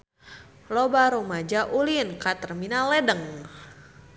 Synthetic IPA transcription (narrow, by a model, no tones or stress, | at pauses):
lɔbaɾumad͡ʒaʔulinkat̪ərminalɛdəŋ